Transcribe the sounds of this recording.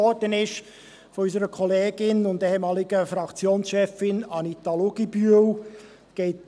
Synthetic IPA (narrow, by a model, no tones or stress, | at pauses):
ɔɾd̥ənɪʃ | fɔys̬əɾəkʰɔleːɡ̥ɪnʊndɛhɛmɑːlɪɡ̥əfɾɑkt͡sjoːnsʃɛfɪnɑnit̪ɑloɡ̥ibyəw | ɡ̥ɛɪt